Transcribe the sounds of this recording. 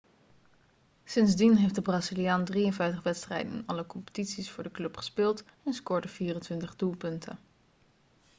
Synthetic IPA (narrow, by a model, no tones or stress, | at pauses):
sɪnzdinɦejfdəbraːzilijaːndrijənvɛjftəχʋɛtstrɛ̰jdənɪ̰nɑləkɔmpə̥titsisfʊːɹdəklɵpχə̥spɪːlˠtɛnskoːɹdəv̥iːrəntʋɪntəχdulˠpɵntʰə̰n